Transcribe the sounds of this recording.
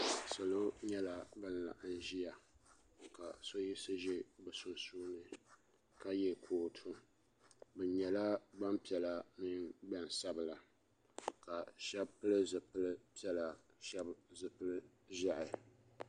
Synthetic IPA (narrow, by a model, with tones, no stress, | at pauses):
so˨lo˦ɲɛ˦la˨bɨ˦nla̰˨ʔɨ˦n˦ʒi˦ja˨ | ka˨so˦ji˦sɨ˦ʒɛ˦bɨ˨sʊ˦nsuː˦nɨ˨ | ka˦jɛ˦kʰoː˨tʰu˦ | bɨ˨ɲɛ˨la˦ba˦mpi˨ɛ˨la˨mɪ˦ŋba˦n˨sa˦bɨ˨la˨ | ka˨ʃɛ˦bpɨ˦lɨ˦zɨ˨pɨ˦lɨ˦pi˦ɛ˦la˨ | ʃɛ˦bzɨ˨pɨ˦lɨ˦ | ʒa˦ʔɪ˨